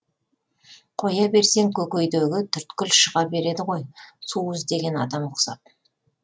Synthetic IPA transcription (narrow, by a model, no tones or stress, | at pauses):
qʰo̞jɑbe̞ɾse̞ŋkʲʰɵkʲejd̪eɡʲɪt̪ʰʏɾt̪kʲʏlʃəʁɑbe̞ɾe̞d̪ɪʁo̞jsuʏzd̪e̞ɡʲe̞nɑd̪ɑmʊqsɑ̰t̪̚